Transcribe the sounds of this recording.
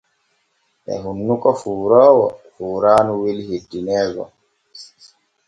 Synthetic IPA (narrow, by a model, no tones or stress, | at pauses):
ʔɛ̰ɦunːukɔfuːɾɔːwɔfuːɾaːnuwelhedːinɛːɡɔ̰